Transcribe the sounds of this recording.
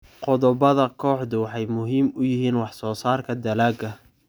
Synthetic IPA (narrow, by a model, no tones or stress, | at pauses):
qɔðɔbɐðɐkʰɔːħðʊwɑħɑjmʊɦiːmʊjɪɦiːnwɑħsɔːsaːrkʰɐd̪ɐlaːɡɐ